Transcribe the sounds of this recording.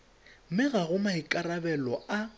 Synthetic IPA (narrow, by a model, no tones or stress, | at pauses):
mɪɣaɣʊmaikʼarabɛlɔa